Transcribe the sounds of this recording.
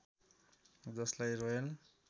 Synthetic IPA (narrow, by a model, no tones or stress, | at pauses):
d͡zʌslajroel